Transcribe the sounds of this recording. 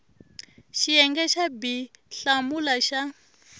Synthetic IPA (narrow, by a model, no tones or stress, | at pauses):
ʃiɛŋɡɛʃabiɬamulaʃa